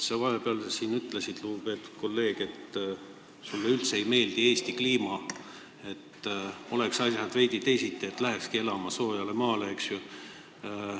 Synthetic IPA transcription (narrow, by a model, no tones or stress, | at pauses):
sɑvɑɦe̞peɑlsiːnyt̪ːˑlesid̪̥lupe̞ːt̪ːu̥d̥̪̚ko̞lːe̞ːɡ̥e̞t̪ | sulːeylt̪seejme̞ːld̪ie̞ːst̪ikliːmɑ | e̞t̪ːo̞le̞ksɑsjɑd̪vejd̪̥it̪ejsit̪ˑːeet̪ːˑlæɦekskie̞lɑmɑso̞ːjɑlemɑːleeksju